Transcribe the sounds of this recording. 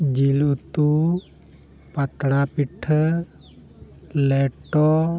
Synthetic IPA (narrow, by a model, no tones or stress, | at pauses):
d͡ʒilut̪u | pat̪ɽapiʈʰ | lɛʈɔ